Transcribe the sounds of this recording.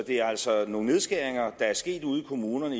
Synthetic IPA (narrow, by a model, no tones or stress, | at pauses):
d̥e̝æɐæl̰sɒno̝ːŋ̩ne̝ð̞ˠsɡ̥æɐ̰eŋɐd̥ɑ̈æɐsɡ̥e̝̰ːd̥uːð̞ˠikʰo̝muːnɐnə